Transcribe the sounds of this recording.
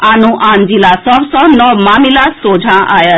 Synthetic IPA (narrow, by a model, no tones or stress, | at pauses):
anũʔãnd͡ʒilasɔʋsɔnɔmamilasod͡ʒʱãʔa̰jə